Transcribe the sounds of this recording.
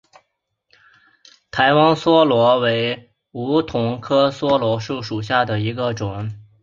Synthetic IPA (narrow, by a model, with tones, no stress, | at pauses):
t̪ʰa˧˥ɪwɑ˥ŋswɔ˥lwɔ˧˥we˧˥ɪ | u˧˥t̪ʰʊ˧˥ŋkʰɤ˥swɔ˥lwɔ˧˥ʂu˥˩ʂu˨˩ɕja˥˩d̪ə˩i˧˥ɡə˧ʈ͡ʂʊ˨˩˦ŋ